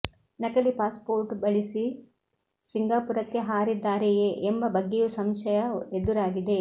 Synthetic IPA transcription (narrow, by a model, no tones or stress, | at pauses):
nɐkɐlipaːspo̞ːɾʈbɐɭisi | siŋɡaːpuɾɐkːe̞ɦaːɾid̪ːaːɾejeʔembɐbɐɡːejusɐmʃɐjɐed̪uɾaːɡid̪e̞